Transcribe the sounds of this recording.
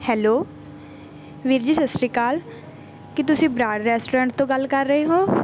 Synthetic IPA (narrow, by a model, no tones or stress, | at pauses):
hɛːloː | ʋɪɾd͡ʒiːsəsɾiːkaːl | kɪt̪ʊsĩːbɾaːɖɾɛːsʈoːɾə̃ɳʈ̚t̪õɡəlkəɾːəɦeɦoː